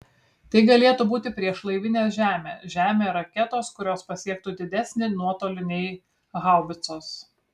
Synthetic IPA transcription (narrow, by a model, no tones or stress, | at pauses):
t̪ɐɪɡɐlʲeːt̪ubuːt̪ʲɪpʲɾʲiɛʃlˠɐɪʋʲɪnʲeːʒʲæːmʲeːʒʲæːmʲeːɾɐkʲɛt̪oːskʊɾʲoːspɐsʲiɛk̚t̪uːd̪ʲɪd̪ʲɛsʲnʲɪnuɔt̪oːlʲɪnʲɛɪ | ɣɑˑʊʋʲɪt̪soːs